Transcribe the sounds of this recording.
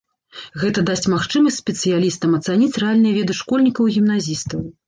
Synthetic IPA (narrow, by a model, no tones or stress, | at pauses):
ɣɛt̪ɐd̪asʲt͡sʲmaxt͡ʂɨmɐsʲtʲsʲpʲɛt̪sɨjalʲist̪ɐmɐt̪sanʲit͡sʲrɛalʲnɨjɐvʲɛd̪ɨʂkɔlʲnʲikɐwɣʲimn̪azʲist̪ɐw